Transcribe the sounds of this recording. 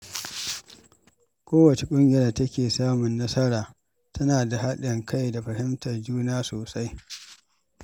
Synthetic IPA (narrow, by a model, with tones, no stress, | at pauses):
kʷoː˦wɐ˨t͡ʃe˨kʷʼʊ˦ŋɡʲɪ˨jaː˨tɐ˦kʲeː˨saː˦mʊ˨nːɐ˦sɐ˦ɽaː˨ | tʰɐ˦naː˨da˨ɦa˦ɗɪ˨ŋkʰa˦jda˨ɸɐ˨hɪ˦mtɐ˨rd͡ʒuː˦naː˦soː˨sa˦j